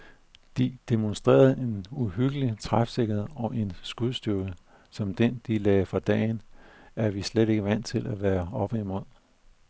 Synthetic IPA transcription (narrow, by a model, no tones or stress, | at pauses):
d̥id̥e̝monsd̥ʁḛːɐð̩ˠe̝nuɦyɡ̥əlit͡sʰʁafseɡ̥ɐe̝ɒ̽ʔe̝nsɡ̥uðˠsd̥yɐɡ̥ə | sɒ̽md̥end̥ilɛːɪfʁɑ̈d̥ɛ̰ːɪnæɐʋisleɾ̥e̝ɡ̥əʋæn̰t͡sʰe̝læʋæːɐɒ̽b̥əimo̝ð̰ˠ